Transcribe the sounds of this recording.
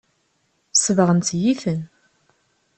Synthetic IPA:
səvəʁənt̪jiθən

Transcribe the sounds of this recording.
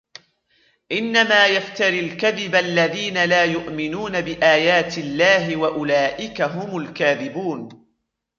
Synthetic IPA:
ʔɪnːamaːjaft̪aɾilkaðɪbʔlːaðiːnalaːjʊʔmɪnuːnabɪʔaːjaːt̪ɪlːaːɦɪwaʔʊlaːʔɪkaɦʊmʊlkaːðɪbuːn

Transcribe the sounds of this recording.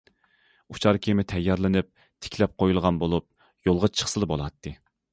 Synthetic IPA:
ut͡ʃʰɑɾkʲʰemɪt̪ʰɛjːɑɾlˠɨnɪp̚ | t̪ʰɪ̥kʲʰlɛp̚qʰojulˠʁɑnbolˠup̚ | jolˠʁɑt͡ʃʰə̥χsɨlˠɨbolˠɑt̪ʰːɨ

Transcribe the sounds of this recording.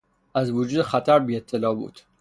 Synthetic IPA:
æzvud͡ʒuːd̪exæt̪ʰæɾbiːet̪ʰːelɒːbṵːd̪̥

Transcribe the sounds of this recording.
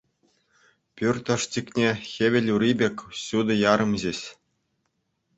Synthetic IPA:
pʲyrʲt̪ɤ̆ʂt͡ɕikʲnʲexʲeʋʲɘ̆lʲuɾʲibʲekʲɕud̪ɤ̆jɑɾɤ̆mʑeɕʲ

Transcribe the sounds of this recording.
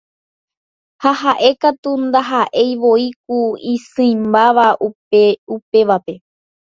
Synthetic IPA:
hahaʔe̞kat̪und̪aɦaʔe̞jʋo̞ik̚uĩsɨ̃imbaʋau | eupe̞ʋape̞

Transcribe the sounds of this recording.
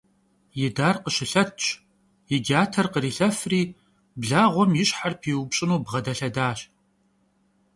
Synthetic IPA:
jɪdaːrqəɕɪɬɐtʰɕʼ | jɪɡʲaːtʰɐrqəriːɬɐfriː | bɮaːʁʷɔmjɪɕħarpʰiːwʊbɕʼɪnuːbʁɐdɐɬɐdaːɕ

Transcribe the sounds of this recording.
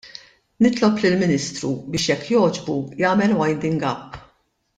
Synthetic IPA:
nɪt̪lɔplɪlmɪniːst̪ɾubɪːʃjɛkːjɔːd͡ʒbujɐːmɛlwɐjnd̪ɪŋɡɐpː

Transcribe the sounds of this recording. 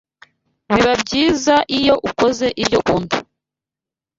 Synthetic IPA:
niβabɟiːzaʔijo̞ʔuko̞ze̞ʔiɾɟoʔuːndu

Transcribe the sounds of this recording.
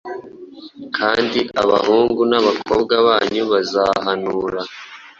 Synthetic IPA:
kʰaːndiʔaβa̰huːŋɡunaβakʰo̰ːbɡaβaːɲuβazahanuːɾa

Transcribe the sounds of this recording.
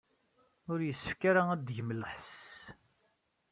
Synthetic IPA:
ʊɾjəsːəfkaɾaæd̪ʝəməlħəs

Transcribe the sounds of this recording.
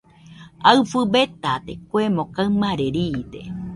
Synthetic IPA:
aɨfɨbet̪at̪ekʷemõkaɨmaɾeɾiːt̪ḛ

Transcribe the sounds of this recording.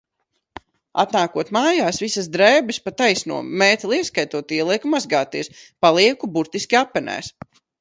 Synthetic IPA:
a̰t̪naːkuɔt̪maːjaːsvisazd̪ɾɛːbɨspat̪ajsnṵɔmɛːt̪lˠiɛskajt̪uɔt̪iɛlˠiɛkumazɡaːt̪iɛspalˠiɛkubuɾt̪iskʲiapːɛnɛ̰ːs

